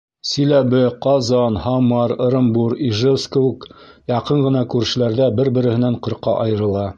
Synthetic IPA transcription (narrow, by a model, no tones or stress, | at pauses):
sɵ̆læβɘqɑzɑnhɑmɑɾɾɤ̆mbuɾiʒewskowɘkjɑqɤɴɢɤ̆nɑkʉɾʃɘ̆læɾðæbɘɾbɘ̆ɾɘ̆hɘ̆næɴqɤ̆ɾqɑ̰ʔɑjɤ̆ɾɤ̆lˠɑ